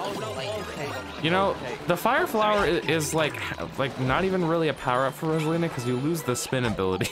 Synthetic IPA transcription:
jɨñoʊðəfaɪə˞flaʊə˞ɪɪzlaɪklaɪk̚nəɾivɨ̃nɹɪlˠiɨpʰaʊə˞ʌpfə˞ɹɛzlˠĩnɨkʰʌzjɨlʉzðɨspɪ̃nɨbɪlˠəɾi

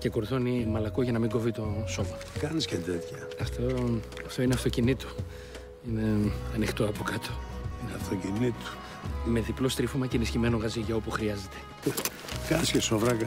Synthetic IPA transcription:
ce̞ko̞ɾθo̞nimɐlɐko̞ʝɐnɐmiŋɡo̞vit̪o̞so̞mɐ | kɐniscet̪et̪çɐ | ɐft̪o | ɐft̪o̞ineɐft̪o̞cinit̪o̥ | ine̞ɐnixt̪o̞ɐpo̞kɐt̪o̞ineɐft̪ocinit̪o̥ | me̞ðiplo̞st̪ɾifomɐcenisçime̞no̞ɣɐziʝɐo̞puxɾiɐze̞t̪e̞ | kɐniscesovɾɐkɐ

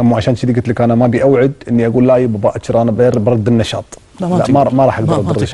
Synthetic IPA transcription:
ʔamːaʕaʃaːnʃiliɡat̪lɪkʔanamabiʔawʕɪd̪ʔɪnːiʔaɡuːlːaːjibabaʔat͡ʃɾˤʔanabeɾbɾˤɑd̪ːɪnːɑʃɑ̰ːt̪ˤ | laʔmamaɾˤɑːħʔaɡ̚d̪ɑɾˤɑd̪ːɾa

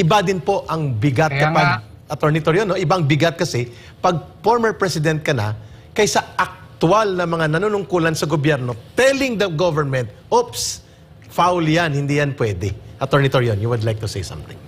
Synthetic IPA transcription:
ʔɪbad̪ɪnpo̞ʔɐŋbɪɡat̪̚kɐpaɡ | ʔɐt̪oɹnɪt̪oɹjonːoʔɪbaɐŋbɪɡat̪̚kɐsɛ | pɐɡ̚foɹmɛɹpɹɛsɪd̪ɛnt̪̚kɐnɐ̰ | kɐjsɐʔɐk̚t̪ʊalnɐmɐŋanɐnunʊŋkuːlɐnsɐɡobjɛɾno̞t̪ɛlɪŋd̪ɐɡovɛɹmɛnt̪̚ | ops | fawljanhɪnd̪ijɐnpwɛd̪ɛʔɐt̪oɹnɪt̪oɹjonjuwʊd̪lajk̚t̪ʊsejsɐ̰̃mt̪ɪ̰̃ŋ

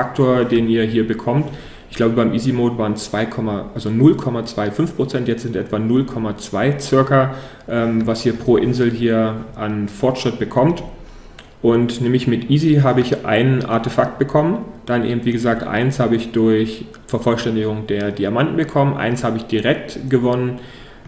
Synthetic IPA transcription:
fak̚tʰoːɐdeːniːɐɦiːɐbəkʰɔmt | ɪçɡ̥laʊbəbaɪmʔiːzimoːtvaːɐənt͡sv̥aɪkʰɔmaʔalzonʊlkʰɔmat͡sv̥aɪfʏnfpʁ̥ot͡sɛntjɛt͡stz̥ɪntʔɛ̰tv̥aːnʊlkʰɔmat͡sv̥aɪt͡sɪɐkɐ | ʔɛːmvasʔiːɐpʁ̥oːʔɪnzl̩ɦiːɐʔaɪnfɔɐtʃʁ̥ɪt̚b̥əkʰɔmt | ʔʊntnɛːmlɪçmɪtʔiːziɦaːbəɪçʔa̰ɪnənʔa̰ɐtəfak̚t̚b̥əkʰɔmənd̥anʔḛːbm̩tv̥iːɡəzaːk̚tʔa̰ɪnshaːbəɪçd̥ʊɐç | fɛɐfɔlʃtɛndɪɡʊŋd̥eːɐdiamantn̩bəkʰɔmənʔa̰ɪnshaːbəɪçd̥iʁɛk̚tɡ̥əvɔnən

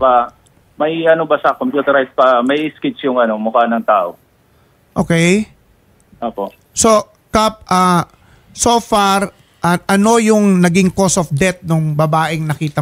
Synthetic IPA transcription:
pɐ | mɐjʔɐnobɐsɐkompjuːt̪ɛɾajspɐmɐjɪskɪt͡ʃjʊŋɐno̞mʊkanɐŋt̪aːʔo | ʔoːkɛj | ʔoːpoʔ | so̞ | kap̚ʔaː | sofaɾ | ʔɐʔɐno̞jʊŋnɐɡɪŋko̞sofd̪ɛt̪̚nʊŋbɐbaːʔɪŋnɐkiːt̪ɐ

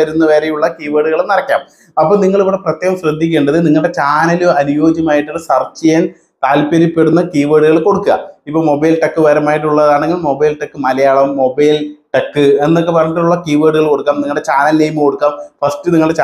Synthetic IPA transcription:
ɐɾunːɐʋeːɾejuɭːɐkiːʋeːɽuɣɐɭnɐrɐkʲːa̰ːm | ɐpːoːniŋːɐɭiʋɨɽeprɐt̪ːjeːɣɐmɕrɐd̪ʱːik̬ʲːeːɳɖɐðɨniŋːɐɭɖe̞t͡ɕaːnɐlɨɐnujo̞ːd͡ʑjɐmaːjiʈːuːsɐrt͡ɕːijen | t̪aːlpɐɾipːe̞ɽunːɐkiːʋeːɽuɣɐɭko̞ɽukːuɣɐ̰ipːoːmo̞bɐjlʈɐkːɨʋɐɾɐmaːjiʈ̬ːuɭːɐðaːɳe̞ŋɡilmo̞bɐjlʈɐkːɨmɐlɐjaːɭɐmːobɐjlʈɐkːɨe̞nːok̬ːe̞pːɐrɐɲːiʈːuɭːɐkiːʋeːɽuɣɐɭko̞ɽukːaːmniŋːɐɭɽet͡ɕaːnɐlneːjmɨko̞ɽukːaːmfɐsʈɨniŋːɐɭɖet͡ɕː

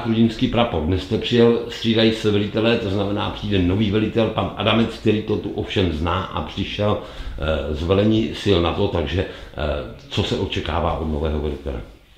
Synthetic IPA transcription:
t̪ɾuɟɪnskiːpɾapodnɛst̪ɛpr̥ɪjɛlst̪r̥iːdajisɛvɛlɪt̪ɛlɛt̪oznamɛnaːpr̝̥iːdɛno̞viːvɛlɪt̪ɛlpanʔa̰damɛt͡sk̚t̪ɛɾiːt̪ot̪uʔofʃɛmznaːʔa̰pr̝̥ɪʃɛl | zvɛlɛɲiːsɪlnat̪o̞t̪aɡʒɛ | t͡so̞sɛʔo̞t͡ʃɛka̰ːva̰ːʔo̞dno̞vɛːɦovɛlɪt̪ɛ̰lɛ̰

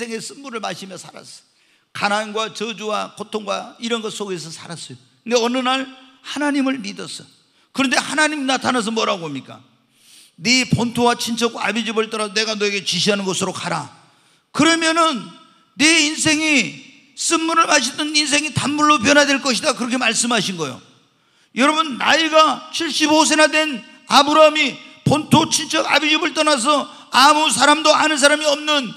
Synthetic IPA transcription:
sʰeŋes͈ɯnmuɾɯɭmaɕʰimjʌsʰaɾa̰s͈ʌ̥ | kananɡwat͡ɕʌd͡ʑuwakʰotʰoŋɡwaiɾʌnɡʌs͈oɡe̞s̬ʰʌsʰaɾas͈ʌjo | ndeʌnɯnaɭhanaɲimɯɭmidʌs͈ʌ | kɯɾʌnde̞hanaɲimnatʰanas̬ʌmʌɾaɡoɦamɲik͈a̰ | nepontʰowat͡ɕʰint͡ɕʰʌɡoabid͡ʑibʌɭt͈aɾaone̞ɡanoeɡe̞t͡ɕiɕʰiɦanɯnɡʌsʰɯɾokaɾa | kɯɾʌmjʌnɯnː | e̞insʰe̞ŋi | s͈ɯnmuɾɯɭmaɕ̬ʰit͈ʌnins̬ʰe̞ŋitamːuɭːop̬jʌnɦadwe̞ɭk͈ʌɕʰidakɯɾʌkʰe̞maɭs͈ɯmɦaɕʰinɡʌjo̰ | jʌɾʌbunːa̰iɡat͡ɕʰiɭɕ͈ibos̬ʰe̞nadwe̞n | abɯɾamipontʰot͡ɕʰint͡ɕʰʌɡa̰bid͡ʑibɯɭt͈ʌnas̬ʰʌ | amusʰaɾamdoanɯns̬ʰaɾamiʌmnɯn

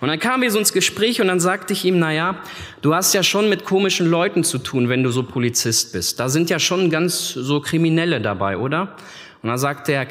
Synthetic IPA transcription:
ʔʊntd̥ankʰaːməmviːɐzoːɪnsɡ̥əʃpʁ̥ɛːçʊntd̥anzaːktəɪçʔiːmnajaː | d̥uːhastjaːʃoːnmɪtkʰoːmɪʃn̩lɔʏtn̩t͡sutʰuːnvɛnduːzoːpʰolit͡sɪst̚b̥ɪst̚d̥aːzɪntjaːʃoːnɡant͡szoːkʁ̥iminɛlədabaɪʔoːdɐ | ʔʊnd̥anzaːktəeːɐ

